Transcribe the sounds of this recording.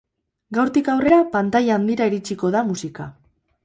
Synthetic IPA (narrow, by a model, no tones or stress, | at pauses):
ɡawɾt̪ikawre̞ɾapant̪ajaːnd̪iɾaiɾit͡ʃiko̞ðamusika̰